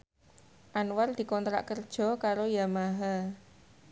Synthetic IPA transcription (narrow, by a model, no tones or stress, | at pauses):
ʔanward̪̥i̤kɔnt̪ɾa̰ʔkərd̥ʒ̥ɔ̤kaɾojamaɦa